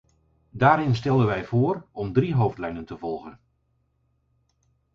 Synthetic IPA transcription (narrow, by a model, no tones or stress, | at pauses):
daːɾɪns̬tɛlˠənʋɛjv̥ʊːrɔmdriɦowftlɛjnəntəvɔlˠχən